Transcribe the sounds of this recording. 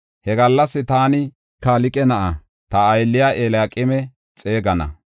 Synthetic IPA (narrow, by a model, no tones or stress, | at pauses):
hɛɡɐlːɐsːɪt̪aːnɪ | kaːlɪkʼɛnɐʔɐ | t̪ɐːjlːɪjaːʔeːlaːkʼɪmɛ | t͡sʼe̞ːɡɐnɐ̰